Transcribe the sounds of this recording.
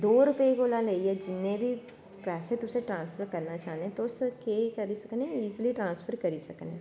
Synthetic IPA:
d̪oːɾʊpekolãleiɦɛd͡ʒɪnːẽbʱi | pɛːset̪ʊseʈɾãːnsfəɾkɐɾnat͡ʃaːɦnet̪oskekɐɾisɐkneiːzliʈɾãːnsfəɾkɐɾisɐkneː

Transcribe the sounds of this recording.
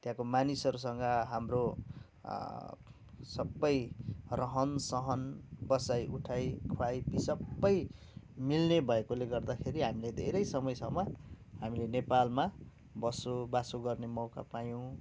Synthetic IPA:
t̪jãkomanisʌɾusʌŋɡʌɦamro | sʌbːʌjrʌɦʌnsʌɦʌnbʌsajʔuʈʰajkʰuajpisʌbːʌj | milnebʱʌekoleɡʌrd̪akʰeɾiɦamiled̪ʱḛɾʌjsʌmʌjsʌmʌ | hamilenepalma | bʌsobasoɡʌrnemʌwka̰pajõ

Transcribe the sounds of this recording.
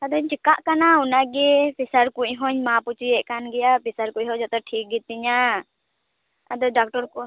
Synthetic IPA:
ad̪ɔɲt͡ʃikaʔkanaunaɡɛpisaɾkuɲɦɔɲmaput͡ʃiɛʔkanɡɛjapisaɾkuʔɦɔd͡ʒɔt̪ɔʈʰik̚ɡit̪ːiɲa | a̰d̪ɔɖak̚ʈɔɾk

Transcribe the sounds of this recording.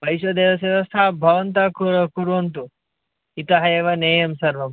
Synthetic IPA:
ʋɐjʃɐd̪eːʋɐs̬eːʋɐst̪ʰaːbʱɐʋɐnt̪akuɾkuɾʋɐnt̪̬u | it̪ɐɦɐjeʋɐneːjɐmsɐɾʋɐm

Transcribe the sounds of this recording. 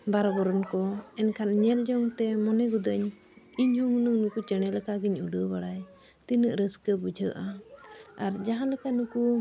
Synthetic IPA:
baɾɔbɔɾɔnkɔɛnkʰanɲɛld͡ʒɔŋt̪ɛmɔnɛɡud̪əɲ | iɲhuŋunəŋnukut͡ʃəɽ̃ɛlɛkaɡiɲuɖəbaɽaj | t̪inəʔɾəskəbud͡ʒʱəʔa | aɾd͡ʒaɦãlɛkanuku

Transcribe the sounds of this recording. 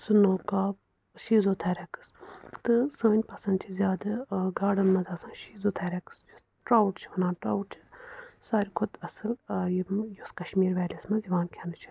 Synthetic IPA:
sɨnoːkaːb | ʃiːzoːt̪ʰeːɾɐkɨ̥st̪ɨsəːnʲpɐsɐnd̪̚t͡ʃʰizʲjaːd̪ɐɡaːɖɐnmɐd̪ɐsãːʃiːzoːt̪ʰɛːɾʲɐkɨ̥sjus | ʈɾaːwʈt͡ʃʰiʋɐnãːʈɾaːwʈ̚t͡ʃʰi̥saːɾʲikʰʊd̪ɐsɨljijoskɐʃmiːɾʋɛːlʲismɐ̃ziʋaːnkʰenɨt͡ʃʰi̥

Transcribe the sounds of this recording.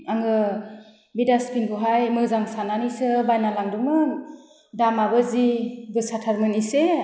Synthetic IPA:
aŋɯ | bidaspinbuɦajmɯzaŋsananisɯbajnalaŋdumɯ | damabɯzibɯsatʰaɾmɯnise

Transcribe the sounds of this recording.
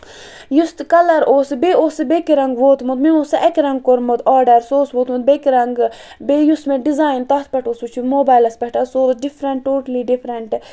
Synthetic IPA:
just̪kɐlɐɾoːsbeoːsɨbekiɾɐŋɡʋoːt̪mut̪miosɐʔɛkʲɾɐŋɡ̚koɾmut̪aːɾɖɐɾsoːsʋoːt̪mud̪̚bekiɾɐŋɡ | beːjusmeɖizaːjnt̪ɐt̪̚ʰpɐʈoːsut͡ʃʰumoːbaːjlɐspɐʈɐsoːɾsɖifʰɾɐɳʈːoːʈɐliɖifʰɾɐɳʈ

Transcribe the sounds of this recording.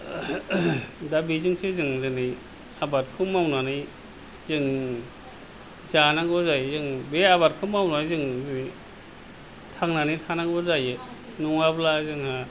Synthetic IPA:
dabizɯŋsezɯŋzɯnɯj | abat̚kʰɯmawnanɯj | zɯŋ | zanaŋbɔzajzɯŋbeabat̚kʰɯmawnajzɯŋzɯni | tʰaŋnanitʰanaŋbɔzajɯ | nɔŋablazɯŋha

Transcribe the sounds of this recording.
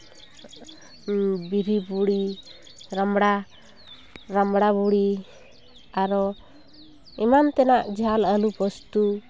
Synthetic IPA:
biɾibuɽi | ɾamɽa | ɾamɽabuɽi | aɾɔ | ɛmant̪ɛnaʔd͡ʒʱaləlubɔst̪u

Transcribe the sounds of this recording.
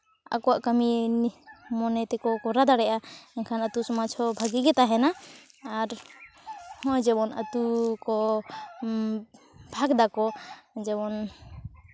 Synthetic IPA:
a̰kɔwaʔkami | mɔnɛt̪ɛkɔkɔɾad̪aɽɛʔaɛnkʰanat̪usɔmat͡ʃʰɔbʱaɡiɡɛt̪aɦɛnaː | ɾ | hɔ̃jd͡ʒɛbɔnʔa̰t̪ukɔ | bʱaɡd̪akɔd͡ʒɛbɔn

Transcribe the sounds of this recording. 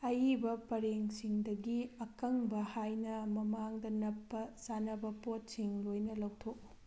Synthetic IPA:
ɐjibɐpɐɾeŋsiŋdɐɡiɐkɐŋbɐhajnɐmɐmaŋdɐnɐpːɐsanɐbɐpot̚siŋlojnɐlɐwtʰok̚

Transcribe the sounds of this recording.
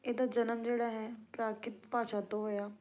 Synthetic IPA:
ed̪ad͡ʒɐnəmd͡ʒeːɽaɦɛpɾaːkɪt̪paːt͡ʃʰat̪oɦojaː

